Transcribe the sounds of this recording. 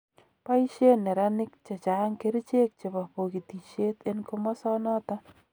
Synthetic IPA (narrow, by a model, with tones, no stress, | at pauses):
pa˦i˦ʃe˦nɛ˨ɾa˦nɪ˦k̚t͡ʃe˨t͡ʃa˨˦ŋke˦ɾt͡ʃe˦k̚t͡ʃe˨pa˨po˨ki˨t̪i˨ʃe˦t̪e˦nko˦mɔ˦sɔ˦nɔ˦t̪a˦